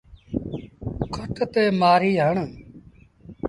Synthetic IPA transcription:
kʰət̪t̪eːmaːɾiːɦəɳ

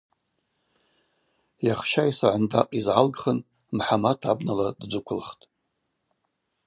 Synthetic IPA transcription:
jaχʃajsaʕʷandaqʼizʕalɡχən | mħamatʰabnaladd͡ʒʷɨkʷʰʊlχtʼ

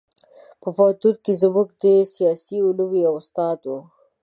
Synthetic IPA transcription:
pəfat̪uɾkizəmukd̪esijɑsiʊluwiawʊst̪ɑːd̪wo

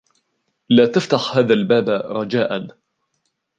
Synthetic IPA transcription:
laːt̪aft̪aħhaːðalbaːbɾˤɑd͡ʒaːʔan

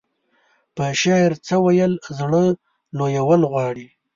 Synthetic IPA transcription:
pəʃɑɪɾt͡səwajəlzɽə | lojawəlɣwɑɽi

